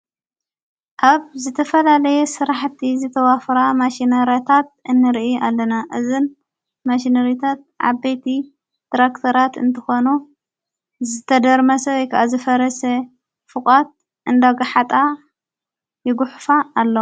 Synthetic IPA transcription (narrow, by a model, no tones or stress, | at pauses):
ʔaβzɨt̪ʰɐfɐlalɐjɛsɨɾaħt̪ʰizɨt̪ʰɐwafɾamaʃinɐɾjat̪ʰat̪̚ʔɨnːɨɾʔialːɐnaʔɨzɨn | maʃinɐɾjit̪ʰat̪̚ʕa̰βbet̪ʰi | d̪̥ɾakt̪ʰɐɾat̪ɨ̰nt̪ʰɐxo̞nu | zɨt̪ʰɐd̪ɐɾmɐsɐwɔjkʰaʔazɨfɐɾɐsɐ | fɨkʼat̪̚ | ʔɨnd̪aɡaħat̪ʼa | jɪɡuħfaːlːo